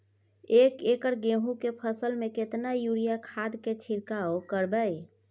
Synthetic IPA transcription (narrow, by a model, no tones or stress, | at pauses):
eːkekəɾɡeɦũkepʰəsəlmẽket̪najuɾijakʰad̪ket͡ʃʰiɾkaokəɾbəj